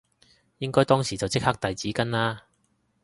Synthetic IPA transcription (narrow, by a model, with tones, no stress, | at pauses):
jɪ˥ŋkɔː˥jt̪ɔː˥ŋsiː˨˩t͡sɐ˨wt͡sɪ˥k̚hɐː˥k̚t̪ɐ˨jt͡siː˨˥kɐ˥nlaː˥